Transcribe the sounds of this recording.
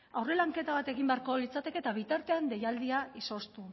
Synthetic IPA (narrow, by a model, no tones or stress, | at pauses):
awre̞laŋke̞t̪aβ̞at̪e̞ɣimbe̞aɾko̞lit͡sat̪e̞ke̞t̪aβ̞it̪aɾt̪e̞and̪e̞jald̪iaiso̞st̪u